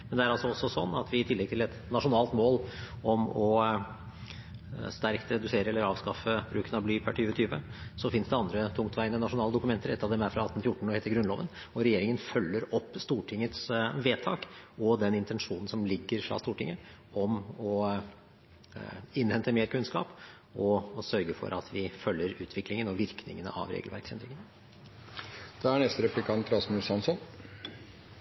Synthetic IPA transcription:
mɛnd̪ɛæɾɑlsɔɔsːɔsɔnːɑt̪ʋɪɪt̪ʰɪlːɛɡ̚t̪ʰɪlɛt̪nɑʂʊnɑːlt̪moːl | ɔmɔ | st̪æɾkt̪ɾɛd̪ʉseːɾəɛlːəɾɑːʋskɑfəbɾʉːkənɑblyːpʰæʈʰyːʋət̪ʰyːʋəsɔfɪnsd̪ɛɑnd̪ɾət̪ʰʊŋkt̪ʰʋæɪnənɑʂʊnɑːləd̪ʊkʉmɛnt̪əɾɛt̪ːɑʋd̪ɛmæɾfɾɑɑt̪ːnfjʊʈːɳ̩ɔhɛɪt̪əɾɡɾʉnlo̰ːʋən | ɔɾɛjeːɾɪŋənfœlːəɾɔpːst̪uːʈʰɪŋːət̪sʋeːt̪ʰɑ̰ːkɔd̪ɛnɪnt̪ɛnʂuːnn̩sɔmlɪɡːəɾfɾɑ̰ːst̪uːʈɪŋːə | ɔmɔ | ɪnhɛnt̪əmeːɾkʰʉnskɑ̰ːp | ɔsœɾɡəfɔ̰ɾʔɑt̪ʰʋɪfœlːəɾʉːt̪ʰʋɪklɪŋənɔʋɪɾknɪ̰ŋənə̰ʔɑ̰ʋɾḛːɡəlʋæ̰ɾksɛnd̪ɾɪŋən | d̪̥ɛæɳɛst̪əɾɛplɪkʰɑnt̪ɾɑsmʉsɑnsɔn

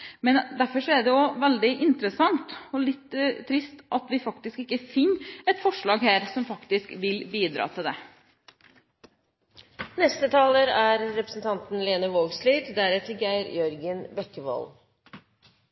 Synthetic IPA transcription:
mɛnd̪æɾfɔʂɔæɖ̪ɛjʊʋɛld̪ɪʔɪnt̪ɾəsɑŋt̪ɔlɪt̪ːt̪ʰːɾɪst̪ʔɑt̪ʋɪfɑkt̪ɪskɪkːəfɪnːɛt̪fɔʂɭɑːɡhæːɾsɔmfɑkt̪ɪskʋɪlbiːd̪ɾɑ̰ːt̪ʰɪld̪ɛ | nɛst̪ət̪ʰɑːləɾæɾːɛpɾə̥sn̩t̪ʰɑnt̪n̩leːnəʋoːɡsliːd̪d̪æɾɛt̪əɡæɪɾjœɾɡənbɛkːəʋɔ̰l

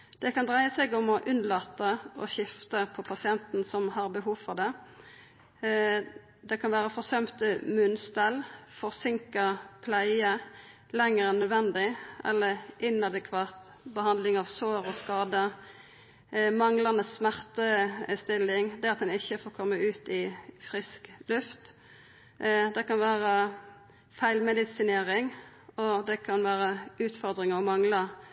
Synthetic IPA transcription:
d̪̥ɛkʰɑnd̪ʁæɪəsɛɡʊmɔʔʉnlɑːt̪əɔ̰ɕɪft̪əpʰɔpʰɑsɪɛnt̪n̩sɔmhɑʁbəɦuːʋfɔʁd̪ɛ | d̪ɛkʰɑnʋæːʁəfɔʁsœmt̪əmʉnst̪ælfɔʁsɪŋkəʁpʰlæɪə | lɛŋəɾɛnːœd̪ʋɛnd̪ɪʔɛ̰lːəʁɪnɑd̪əkʰʋɑːt̪ | bəhɑnd̪lɪŋɑʋsoːɾɔskɑːd̪ə | mɑŋlɑnəsːmæʁt̪əst̪ɪlːɪŋd̪ɛɑt̪d̪ɛnɪçːəfoːkʰɔmːəʉːt̪ɪfʁɪsklʉft̪ | d̪ɛkɑnʋæːʁə | fæɪlmɛd̪ɪsɪneːʁɪŋ | ɔd̪ɛkʰɑnʋæːʁəʉːt̪fɔʁd̪ʁɪŋəɔmɑŋlə

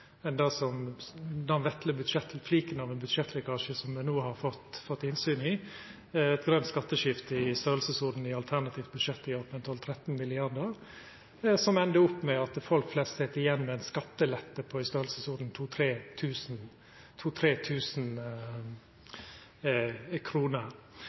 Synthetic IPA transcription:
ɛnd̪ɑsɔmd̪ɛnʋɛt̪ləbʉd̪ʂɛt̪fliːkənɑʋɛnbʉd̪ʂɛt̪ːlɪkɑːʂəsɔmɛnoːhɑɾfɔt̪fɔt̪ːhɪnsyːnɪ | ɛt̪ɡɾœnt̪skɑt̪ːəʃɪft̪əɪst̪øːɾlsəsʊɾd̪n̩ɪɑlt̪ʰæʁnɑt̪ʰɪːft̪̚bʉd̪ʂɛt̪ːɪɑpɛnt̪ʰɔlt̪ʰɾɛt̪n̩mɪlɪɑɾd̪əɾ | sɔmɛnd̪əʊpːmɛɑt̪̚fɔlkflɛst̪sɛt̪ːɪjɛnːmɛɛnskɑt̪ːəlɛt̪ːəpʰɔɪst̪øːɾlsəsʊɾd̪n̩t̪ʰuːt̪ʰɾeːt̪ʰʉːsn̩ | t̪ʰuːt̪ʰɾeːt̪ʰʉːsn | kʰɾuːnəɾ

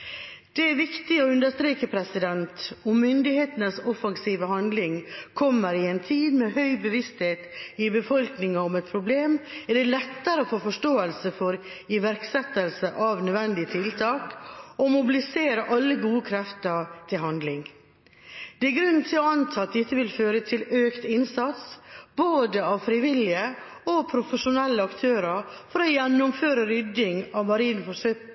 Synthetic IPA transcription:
d̪̥ɛæɾʋɪkt̪ɪɔʉnd̪əʂst̪ɾeːkəpʰɾɛsɪd̪ɛnt̪ɔmːʏnd̪ɪheːt̪ənəsɔfɑŋsiːʋəhɑnd̪lɪŋkʰɔmːəɾɪɛnt̪ʰiːd̪mɛɦœʏbəʋɪst̪heːt̪ɪbəfɔlknɪŋɑɔmɛt̪̚pʰɾʊbleːmɛɖɛlɛt̪ːəɾəofoːfɔʂʈoːəlsəfɔɾ | ɪʋæɾksɛt̪ːəlsəʔɑʋnœd̪ʋɛnd̪ɪət̪ʰɪlt̪ʰɑːkɔmʊbɪlɪseːɾəʔɑlːəɡuːəkʰɾɛft̪əɾt̪ʰɪlhɑnd̪lɪŋ | d̪̥ɛæɾɡɾʉnnt̪ʰɪlɔɑnt̪ʰɑːt̪̚d̪ɪt̪ːəʋɪlføːɾət̪ʰɪløːkt̪ɪnsɑt̪sboːd̪əɑʋfɾɪʋɪlɪə | ɔpʰɾʊfəʂʊnɛlːəɑkt̪ʰøːɾɑɾfɔɾɔjɛnːʊmføːɾəɾʏd̪ɪŋɑʋmɑɾiːnfɔʂøː

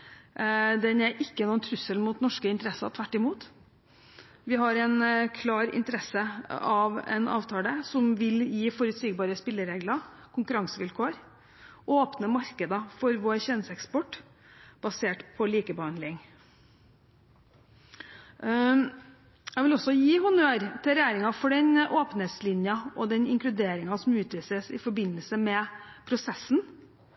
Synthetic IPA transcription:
d̪ɛnɛɾʔɪkːənuːənt̪ʰɾʉsəlmuːt̪nɔʂkəɪnt̪əɾɛsɑ̰t̪ʰʋæʈːɪmuːt̪ | ʋɪɦɑɾɛɪnkʰlɑːɾɪ̰nt̪əɾɛsəɑʋɛ̰nɑ̰ːʋt̪ʰɑːləsɔmʋɪljiːfɔɾʉt̪siːɡbɑːɾəspɪlːəɾeːɡlɑ | kʰʊŋkʉɾɑŋsəʋɪlkʰoːəɾ | ʔoːpnəmɑɾkəd̪ɑfɔɾʋoːɾçɛnsɛkspɔʈː | b̥ɑseːʈpʰɔliːkəbəhɑnd̪lɪŋ | jæɪʋɪlɔsːɔjiːhʊnøɾt̪ʰɪlɾɛjæːɾɪŋɑfɔɖɛnʔoːpnet̪slɪnjɑʔɔd̪ɛnɪ̰ŋklʉd̪eːɾɪŋɑsɔmʉːt̪ʋiːsəsɪfɔbɪnːəlsəmɛpʰɾʊsɛsːn̩

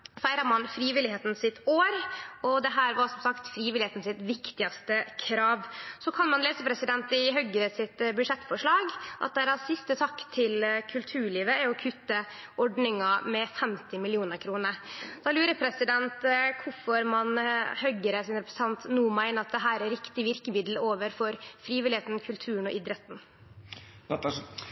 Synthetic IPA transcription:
fæɪɾɑmɑnfɾiːʋɪlɪheːt̪n̩sɪt̪oːɾɔd̪ɛɦæːɾʋɑsɔmsɑkt̪fɾiːʋɪlɪeːt̪n̩sɪt̪ʋɪkt̪ɪɑst̪əkʰɾɑːʋsɔkʰɑnmɑnleːsəpʰɾɛsɪd̪ɛnt̪ɪɦœɡəɾəsɪt̪bʉd̪ʂɛt̪ːfɔʂɭɑːɡʔɑ̰t̪̚d̪æɾɑsɪst̪ət̪ʰɑkːt̪ʰɪlkʰʉlt̪ʰʉːɭiːʋəæɾɔkʰʉt̪ːə | ɔɖɳɪŋɑmɛfɛmt̪ɪmɪlɪuːnəɾkʰɾuːnəɾd̪̥ɑːlʉːɾəpʰɾɛsɪd̪ɛnt̪kʰʊfɔɾmɑnhœɡəɾəsɪnɾɛpɾəsət̪ʰɑnt̪nuːmæɪnəɑt̪̚d̪ɛɦæːɾæɾɪkt̪ɪʋɪɾkəmɪd̪l̩oːʋəɾfɔɾfɾiːʋɪlɪheːt̪nkʰʉlt̪ʰʉːənɔʔɪd̪ɾɛt̪n̩

